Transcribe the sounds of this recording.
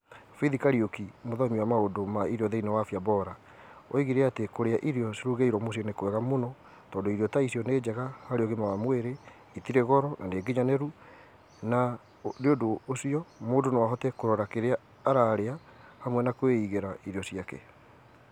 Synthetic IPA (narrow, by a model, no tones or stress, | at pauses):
fiðikaɾiokimoðɔmiwamaodomaiɾjɔðɛinewafjabɔɾa | o̰iɣiɾeatekoɾeaʔiɾeɔseɾuɣeiɾɔmosiɔnekowɛɣamonɔ | tɔːdoiɾjɔtaisiɔneːd͡ʑɛɣahaɾeɔɣemawamweɾe | itiɾɛɣɔɾɔnʔaneːɡiɲanɛɾu | na | deodoːsiɔmoːdonewaɦɔtɛkoɾɔɾakeɾeaː | ɾaːɾea | hamwɛnakweiɣeɾaiɾeɔsiakɛ̰